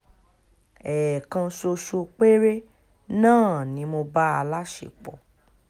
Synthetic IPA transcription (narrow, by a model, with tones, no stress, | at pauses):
ɛː˨kã˧so˧ʃo˧k͡pe˦ɾe˦ | nãː˦˨nĩ˨˦mo˧ba˦a˧la˦ʃḛ˨k͡pɔ˨